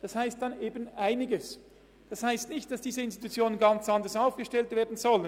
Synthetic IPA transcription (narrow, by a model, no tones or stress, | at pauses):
d̥ɑshaɪstd̥aneːbənʔaɪnɪɡəs | d̥ɑshaɪstnɪçt̚d̥ɑsd̥iːzəɪnst̪itut͡sjoːnənɡɑnt͡sɑndəʁsaʊfɡ̥əʃtɛltveːɐdn̩zɔlən